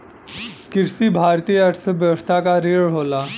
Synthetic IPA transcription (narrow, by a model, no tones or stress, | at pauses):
kiɾsiːbʱaɾt̪iːjəʈsəʋjəʋəst̪ʰakaɾeɭɦola